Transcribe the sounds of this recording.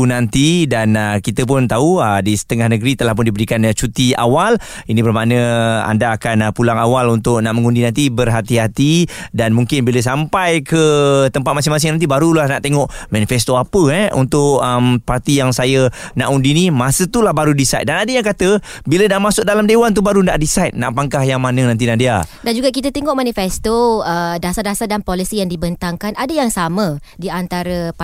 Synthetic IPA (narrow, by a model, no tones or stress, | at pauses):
unant̪idanəkit̪əp̬ʊnt̪auədisə̥t̪əŋahnəɡɾit̪əlahpʊndibəɾikant͡ʃut̪ia̰wal | inĩbərmaʔnə̃a̰ndaːkanpulaŋawalunt̪ʊʔ̚naʔməŋundinant̪ibərɦat̪iɦat̪idanmuŋkɪnbiləs̬ampajkət̪əmpat̪̚mas̬ɪŋmas̬ɪŋnant̪ibaɾulahnaʔt̪eŋɔʔmanifɛst̪oapəɛʔṵnt̪ʊʔəmpart̪ijaŋsajə | na̰ʔundinimasət̪ulahbaɾudisajt̪̚danadəjaŋkat̪əbilənaʔmasʊk̚dalamdewant̪̬ubaɾundaʔdisajt̪̚na̰ʔpaŋkahjaŋmanənãnt̪̬inandia̰dand͡ʒuɡaʔk̬it̪at̪eŋɔʔmãnifɛst̪oədasadasadanpolisijaŋdibənt̪aŋkanʔadajaŋsamə̃ | diant̪aɾəp